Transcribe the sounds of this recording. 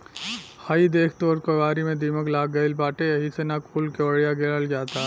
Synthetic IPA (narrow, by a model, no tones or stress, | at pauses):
haːid̪eːkʰt̪oɔɾkoʋaːɾimẽd̪iːməklaːɡɐɪlbaːʈeɐɦisenakʰuːlkoːɽijaɡeləld͡ʒaːt̪a